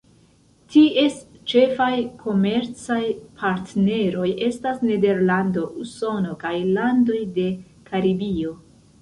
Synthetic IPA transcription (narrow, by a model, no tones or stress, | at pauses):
tie̞st͡ʃe̞fajkʰo̞me̞ɾt͡sajpʰaɾtne̞ɾo̞je̞stasne̞de̞ɾlando̞ʔuso̞no̞kajlando̞jde̞ | kʰaɾibio